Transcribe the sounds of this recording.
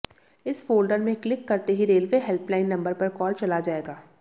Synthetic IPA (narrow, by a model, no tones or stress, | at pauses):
ɪsfoːlɖəɾmẽklɪkːɐɾt̪eɦiɾeːlʋeːɦɛlplaːɪnːɐ̃mbəɾpɐɾkɔːlt͡ʃɐlad͡ʒaːeːɡaː